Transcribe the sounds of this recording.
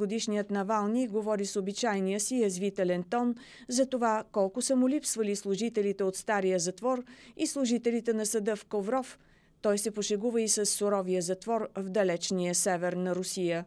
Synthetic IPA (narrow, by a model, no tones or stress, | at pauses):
od̪iʃnijət̪nɐvalˠniɡovɔɾisobit͡ʃajnijəsiɾɐzvit̪ɛlɛnt̪ɔn | zɐt̪ovakɔlˠkʊsəmulipsvəlislˠʊʒit̪ɛlit̪ɛot̪st̪aɾijəzɐt̪vɔɾislˠʊʒit̪ɛlit̪ɛnɐsɐd̪əfkovɾɔf | t̪ɔjsɛpoʃɛɡuvəisəsːʊɾɔvijəzɐt̪vɔɾvd̪ɐlɛt͡ʃnijəsɛvɛɾnɐɾʊsijə